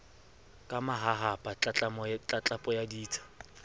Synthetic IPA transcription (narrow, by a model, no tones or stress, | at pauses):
kʼamaɦaɦapʼat͡ɬʼat͡ɬʼamɔt͡ɬʼat͡ɬʼapʼɔjadiːt͡sʰḁ